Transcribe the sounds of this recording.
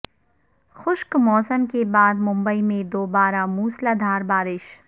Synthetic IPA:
xʊʃkmɔːsəmkebaːd̪mʊ̃mbəimẽd̪oːbaːɾamuːslaːd̪ʱaːɾbaːɾɪʃ

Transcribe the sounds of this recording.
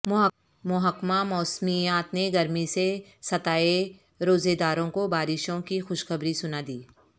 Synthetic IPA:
mʊɦəkmamɔːsmijaːt̪neɡɐɾmisesɐt̪aːe | ɾoːzed̪aːɾõkobaːɾɪʃõkixʊʃxɐbɾisʊnad̪iː

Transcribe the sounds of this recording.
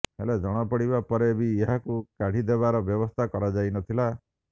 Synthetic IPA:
ɦḛled͡ʒɔɽ̃ɔpɔɽibapɔɾeːbieɦakukaɽ̤id̪eβaɾɔbjɔbɔst̪ʰakɔɾad͡ʒajnɔt̪ʰila

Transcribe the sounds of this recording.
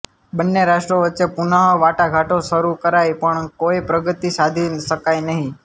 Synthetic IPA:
bənːeɾaʃʈɾoʋətːʃepunəɦoʋaʈaɡʱaʈosəɾukəɾajpəɳkoipɾəɡət̪isad̪ʱinʃəkajnəɦĩ

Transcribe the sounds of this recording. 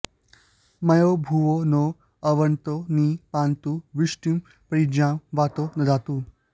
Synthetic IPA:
mɐjobʱuʋono | ɐʋənt̪onipaːnt̪uʋiʂʈim | pɾid͡ʒãmʋaːt̪onɐd̪aːt̪u

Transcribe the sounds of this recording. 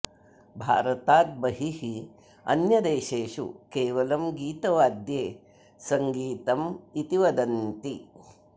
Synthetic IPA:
bʱa̰ːɾɐt̪aːt̪̚bɐɦiɦi | ɐ̰njɐd̪eːʃeːʃṵkeːʋɐlɐmɡiːt̪ɐʋaːd̪jeː | sɐŋɡiːt̪ɐmit̪iʋɐd̪ɐnt̪i

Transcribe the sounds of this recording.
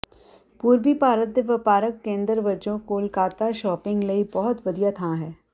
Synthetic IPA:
puːɾbipaːɾət̪̚d̪eʋəpaːɾəkːẽːnd̪ɾʋɐd͡ʒõkoːlkaːt̪aʃɔːpɪ̃ŋɡlɐibɔɦʊt̪ʋɐd̪ijat̪ʰãɦɛː

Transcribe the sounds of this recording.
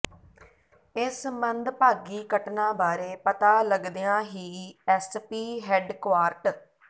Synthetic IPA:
ɪsmənd̪paːɡiːkəʈnãːbaːɾeːpət̪aːləɡd̪ejãːɦiːɛːspiːɦɛɖkʋaːɾʈ

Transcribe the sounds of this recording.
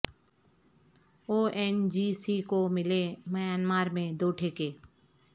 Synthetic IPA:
oːʔɛːnd͡ʒiːsikomɪlemɐjaːnmaːɾmẽd̪oːʈʰeːkeː

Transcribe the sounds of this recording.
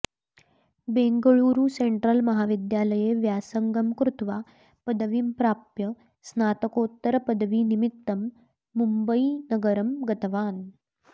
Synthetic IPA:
beŋɡəɭuːɾuːseɳʈɾəlmɐɦaʋid̪jaləjeʋjasəŋɡəmkɾut̪ʰʋa | pəd̪ʋiːmpɾaːpjə | snaːt̪əkoːt̪ːəɾəpəd̪ʋiːnimit̪ːəmː | umbəinəɡəɾəmɡət̪ʋaːn

